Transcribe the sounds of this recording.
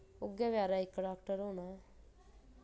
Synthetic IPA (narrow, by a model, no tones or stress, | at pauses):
ʊɡjaːʋjaːɾaɪkːɖaːkʈəɾɦoːnaɛ